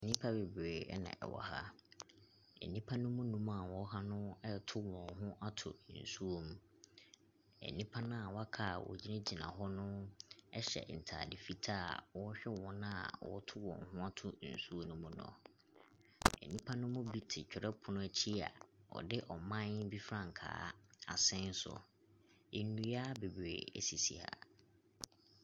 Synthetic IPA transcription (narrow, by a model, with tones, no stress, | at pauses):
e˨nĩ˦pʰa˦be˨bɾeː˨ɛ˦nã̰˨ʔɛ̰˨wɔ̰˨ha̰˦ | ḛ˨nĩ˦pʰa˦nʊ̃˦mʊ̃˦nũ˦m˦a˨wɔ˦ɦa˦nʊ̃˦ɛ˦tʰʊ˦wɔ̃˨ŋɦʊ̃˦ʔa˦tʰʊ̰˨n̩˨su˦o˨m̩˦ | ɛ̰˨nĩ˦pʰa˦nʊ̃˦a˨wɔ˦a˦kʰa˦˨wɔ̰˨d͡ʑi˦nɪ̃˦d͡ʑi˨nã̰˨ɦɔ˦nʊ̃˦ɛ˦ɕɛ̰˨n̩˨tʰa̰ː˨dɪ˨fi˦tʰaː˦˨wɔ̃˦ɕᶣɛ˦wɔ̃˦nã˦a̰˨wɔ̰˦tʰʊ˦wɔ̃˨ŋ˨hʊ̃˦a˦tʰʊ˦n̩˨su˦o˦nʊ̃˦mʊ̃˦nɔ̰̃˨ | ɛ̰˨nĩ˦pʰã˦nʊ̃˦mʊ̃˦bi˦tʰɪ˨t͡ɕᶣɛ˨ɾɛ˦pʰʊ˨nʊ̃˦æ˨t͡ɕʰi˦a̰˨ɔ̰˨dɪ˦ʔɔ˨mã˦n˦bi˦fɾã˨ŋ̩˨kʰa̰ː˨˦a˨sɛ̃˦n̩˦sʊ̰˨ | e˨nnũ˨ja˦be˨bḛ˨æ̰˨si˨sḭ˨ha̰˨